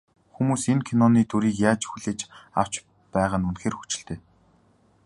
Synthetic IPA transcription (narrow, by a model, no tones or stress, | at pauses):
xumuːsenkʰinɔniːt̪ʰuɾiːkjaːt͡ɕxuɮeːt͡ɕa̰w̥t͡ɕ | pæːʁaːnunxeːrxu̥t͡ɕɪ̥̆ɬt̪eː